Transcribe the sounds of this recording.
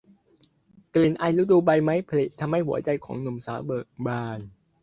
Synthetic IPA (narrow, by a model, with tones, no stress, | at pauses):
kli˨˩nʔa˧jluː˦˥d̪uː˧ba˧jma˦˥jpʰa˧li˨˩t̚t̪ʰa˧mha˧˩jhu˩˦ɐt͡ɕa˧jkʰɔ̰ː˩˦ŋnu˨˩msaː˩˦wbɤː˨˩k̚baː˧n